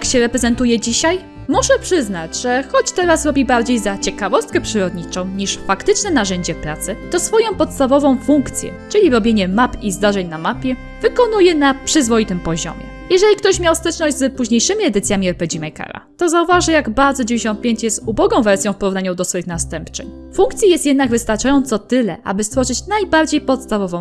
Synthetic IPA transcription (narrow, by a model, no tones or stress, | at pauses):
j̪akɕɛɾɛpɾɛzɛnt̪ujɛd͡ʑiɕaj | mɔʂɛpʂɘzn̪ad͡ʑʐɛxɔt͡ɕt̪ɛɾasɾɔbʲibaɾd͡ʑejzat͡ɕɛkavɔst̪̚kɛpʂɘɾɔd̪ɲit͡ʂɔ̃w̃ɲiʂfakt̪ɘt͡ʂnɛnaʐɛɲd͡ʑɛpɾat̪sɘt̪ɔsfɔjɔ̃w̃pɔt̪st̪avɔvɔ̃w̃fuŋkt̪sʲjɛ̰t͡ʂɘlʲiɾɔbʲjeɲɛmapizd̪aʐɛɲnamapʲjɛ | vɘkɔnujɛnapʂɘzvɔjit̪ɘmpɔʑɔ̰mʲjɛ̰ | jɛʐɛlʲikt̪ɔɕmʲjawst̪ɛt͡ʂnɔʑd͡ʑʲzpuʑɲejʂɘmʲiɛd̪ɘt̪sʲjamʲiɛɾpɛd͡ʑimajka̰ɾa̰t̪ɔzauvaʐɨjaɡbaɾd̪zɔd͡ʑvʲɲeɕɔ̃nt̪̚pʲjeɲt͡ɕjɛst̪ubɔɡɔ̃w̃vɛɾsʲjɔ̃w̃fpɔɾuvnaɲɔd̪ɔsfɔjixnast̪ɛmpt͡ʂɘ̰ɲ | fuŋkt̪sʲjajɛst̪jɛd̪naɡvɘst̪aɾt͡ʂajɔ̃nt̪sɔt̪ɘlɛ̰ʔa̰bɘst̪fɔʐɘt͡ɕnajbaɾd͡ʑejpɔt̪st̪avɔvɔ̃w̃